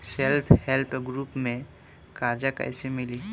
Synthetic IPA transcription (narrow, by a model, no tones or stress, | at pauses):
selpʰhelpʰɡɾupmẽ | kaɾd͡ʒakə̰ɪsemili